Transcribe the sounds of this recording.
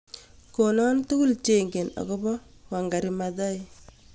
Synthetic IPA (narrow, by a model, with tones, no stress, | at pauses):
ko˨nɔ˦ntu˦ku˦lt͡ʃe˨ŋɡe˨nɔ̰˨kɔ˦bɔ˦wa˨ŋɡa˨ɾimadɔ˦j